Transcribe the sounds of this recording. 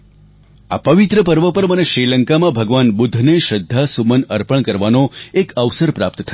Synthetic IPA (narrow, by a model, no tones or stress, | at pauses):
a̰pəʋɪt̪ɾəpəɾʋəpəɾməneʃɾiləŋkamãbʱəɡʋanbʊd̪ʱːneʃəd̪ʱːasumənəɾpəɳ̃kəɾʋanoekəʋsəɾpɾap̚t̪t̪ʰə